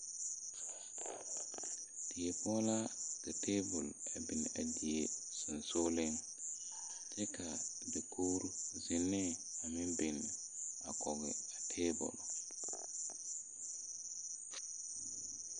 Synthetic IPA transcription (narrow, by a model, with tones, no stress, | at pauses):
ti˨e˨pɔ˦la˦ɡ̥a˨tʰe˦bɔ˨le˨bi˨na̰˨d͡ʒi˨jesu˨nso˦li˦n | tɛ˦ka˨ | de˨kʰoː˦ɾuzinːɛ˦a˨mi˦nbi˨n | a˨kɔ˨ɡɛ˨a˨tʰe˦bɔ̰˨l